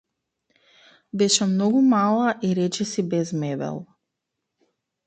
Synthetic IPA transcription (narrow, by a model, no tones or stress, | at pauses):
bɛʃɛmnɔɡumalˠaʔiɾɛt͡ʃɛsibɛzmɛbɛ̰lˠ